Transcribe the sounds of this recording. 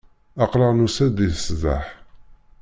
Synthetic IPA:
ɑqɾˤəʁnusæd̪iθsða̰ħ

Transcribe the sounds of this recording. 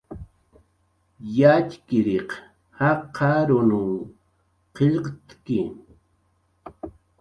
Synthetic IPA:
jat͡ʃkɪɾeq | hɑqʰɑɾʊnʊŋ | qeʎqt̪kɪ

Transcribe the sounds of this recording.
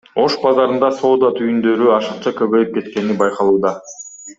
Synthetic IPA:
o̞ʃbɑzɑɾɯnd̪ɑso̞ːd̪ɑt̪ʰyjynd̪ø̞ɾyɑʃɯqt͡ʃɑkø̞βø̞jyp̚ke̞t̪ke̞nibɑjqɑlˠuːd̪ɑ

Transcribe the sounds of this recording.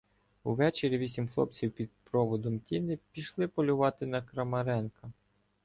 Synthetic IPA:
uʋɛt͡ʃeɾʲiʋʲisʲimxlˠɔ̰p̚t͡sʲiwpʲid̪̚pɾɔʋɔd̪ɔmtʲinɪpʲiʃlˠɪpɔlʲʊʋɑt̪ɪnɐkɾɐmɐɾɛnkɐ

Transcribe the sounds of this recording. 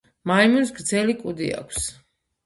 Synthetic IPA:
maimuns̬ɡɾd̪zɛlikʼud̪ḭa̰kʷʰs

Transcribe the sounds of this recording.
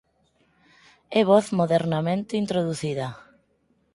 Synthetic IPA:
eβoθmoðeɾnamẽnt̪eint̪ɾoðuθiðɐ

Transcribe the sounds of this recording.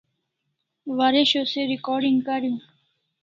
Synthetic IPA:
ʋaɾeɕoseɾikɔːɾɖiŋɡkəɾjũː

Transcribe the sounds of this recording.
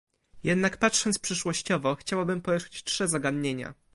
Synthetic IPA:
jɛd̪nakpatʂɔnt̪spʂɘʂwɔɕt͡ɕɔvɔxt͡ɕawabɘmpɔɾɛʂt͡ɕtʂɛzaɡad̪ɲeɲa̰

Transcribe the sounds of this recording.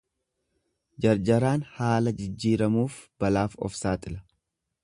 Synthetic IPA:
d͡ʒɐɾd͡ʒɐɾaːnhaːlɐd͡ʒɪd͡ʒːiːɾɐmuːfb̥ɐlaːfɔ̰fsaːt̪ʼɪlɐ̥

